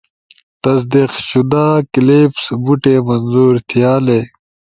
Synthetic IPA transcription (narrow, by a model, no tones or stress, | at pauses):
t̪ɐs̬d̪iqɕud̪aːkileːpsbuʈemɐnzuːɾt̪ʰijaːle